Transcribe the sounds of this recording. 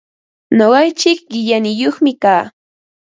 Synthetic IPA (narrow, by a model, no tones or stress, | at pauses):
noɢɑjt͡ʃɪk̚ɢɪʎanɪjoχmɪkaː